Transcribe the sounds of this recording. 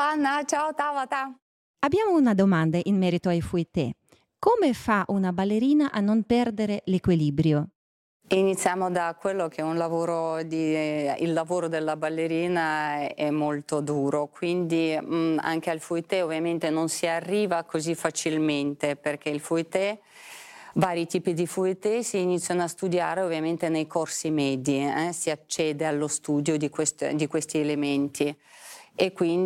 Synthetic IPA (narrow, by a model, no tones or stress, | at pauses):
anːat͡ʃaot̪avat̪a | abːjaːmounad̪omand̪aʔinmːɛːɾit̪oajfuit̪ɛ̰ | koːmefaʔunabalːeɾiːnaʔanːompɛrd̪eɾelekwiliːbɾjo | init̪sːjaːmod̪akwelːokʰeɛunlavoːɾod̪iḭlːavoːɾod̪elːabalːeɾiːnaɛmːolt̪od̪uːɾokwind̪ia̰ŋk̟ealfuit̪ɛovːjament̪enonsiarːiːvakozifːat͡ʃilment̪eperk̟eilfuit̪ɛ | vaːɾit̪iːpid̪ifuit̪ɛsiːnit̪sːjanoast̪ud̪ja̰ːɾeovːjament̪enejkʰorsimɛːd̪iɛsiat͡ʃːɛːd̪ealːost̪uːd̪jod̪ikwest̪d̪ikwest̪ielement̪i | ekːwin